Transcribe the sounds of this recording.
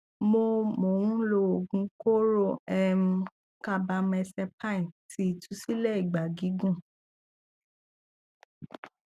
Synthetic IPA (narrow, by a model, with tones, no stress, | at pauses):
mo˧mo˨wũ˦lo˧o˨ɡũ˧˦ko˦ɾo˧ɛ˧m̩˧ | ka˧ba˧mɛ˧sɛ˧pʰã˦ĩ˨ti˦i˨tʰu˨˦si˦lɛ˦i˨ɡ͡ba˨ɡi˨˦ɡũ˦˨